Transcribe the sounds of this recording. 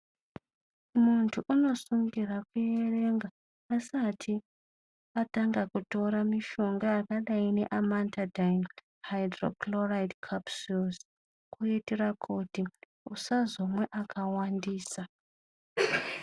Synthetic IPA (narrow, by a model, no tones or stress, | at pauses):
muntʰuʔuno̞suŋɡirakujere̞ŋɡaː | satʰi | ataŋɡakuto̞ɾamiʃo̞ŋɡaakaɗaine̞ʔamantʰadajn | hajdro̰kloraidkʰapsus | kuetirakʰuti | usazo̞mwe̞ʔakʰawandiːsa